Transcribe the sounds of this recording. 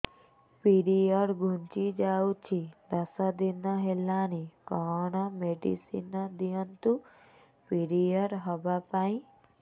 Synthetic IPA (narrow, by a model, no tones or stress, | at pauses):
piɾijəɽɡʱũnt͡ʃid͡ʒaut͡ʃʰid̪əsad̪inːəɦelːanikɔɔnɔmeɖḭsḭnːəd̪ijənt̪u | piɽijəɾɦɔbapaĩ